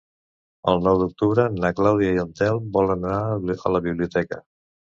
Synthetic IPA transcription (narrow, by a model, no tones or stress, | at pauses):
əlˠnɔwd̪uk̚t̪uβɾənəklawðiaiənt̪ɛlˠbɔlənənaə̰ləβiβliut̪ɛkə